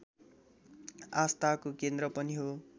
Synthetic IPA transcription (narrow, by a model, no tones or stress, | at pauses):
ast̪akokend̪rʌpʌniɦo